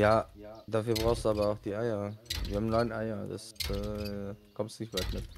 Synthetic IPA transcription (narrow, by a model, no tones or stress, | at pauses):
jaːd̥aːfyːɐbʁaʊxsd̥uaːbɐaʊxd̥iːʔaɪɐviːɐhaːmnɔɪnʔaɪɐda̰sɛːkʰɔmstnɪçtv̥aknɛt